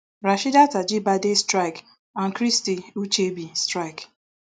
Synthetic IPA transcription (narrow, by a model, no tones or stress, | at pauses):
ɾaʃidatad͡ʒibadestɾaɪk | aŋ̩kɾistiut͡ʃebistɾak